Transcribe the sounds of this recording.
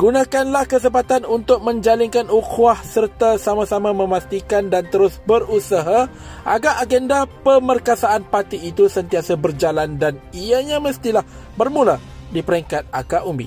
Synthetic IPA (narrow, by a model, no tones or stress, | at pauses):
ɡ̥unãkanlahkəs̬əpat̪anunt̪ʊk̚mə̃ɲd͡ʒaliŋkanukuahsərt̪asamãsamãmə̃mast̪ikandant̪əɾʊsbərusaɦa | ʔaɡaʔːɡɛndapəmərkasaːnpat̪iːt̪usənt̪iasabərd͡ʒalandaniaɲãməst̪ilah | bərmũla | dipəɾɛŋkat̪̚akaʔumbḭ